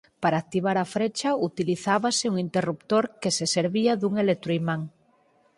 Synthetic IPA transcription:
paɾaːk̚t̪iβ̞aɾafɾet͡ʃaut̪iliθaβaseuŋint̪erupt̪oɾkeseseɾβiaðuŋelek̚t̪ɾoimãŋ

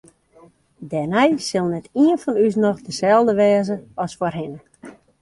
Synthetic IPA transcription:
dɛnɛjsɪlˠnɛtiənfɔnys̬nɔxdəsɛlˠdəʋɛːzəɔsforɦɪnə

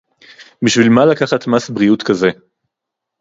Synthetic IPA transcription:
biʃvilmalakaχatmasbʁiutkaze̞

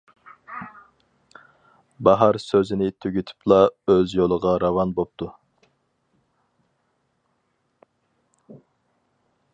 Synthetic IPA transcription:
bɑɦɑɾsøzɪnɪt̪ʰyɡʲyt̪ʰy̥plˠɑøzjolˠəʁɑɾɑvɑnbop̚t̪ʰu

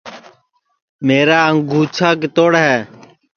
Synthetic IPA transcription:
meːɾaːəŋɡʱuːt͡ʃʰaːkt̪oːɽɦɛː

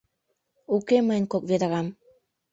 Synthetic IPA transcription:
ukemənʲkok̚ved̪ɑɣɑm

